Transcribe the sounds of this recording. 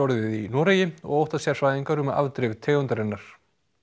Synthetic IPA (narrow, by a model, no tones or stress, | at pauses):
ɔɾɪðinɔːɾejɪɔ̰ɣowht̪asjaɾsvaːjðiŋkaɾʏma̰vt̪ɾɪvt̪ʰeːɣʏnt̪aɾɛnːaɾ̥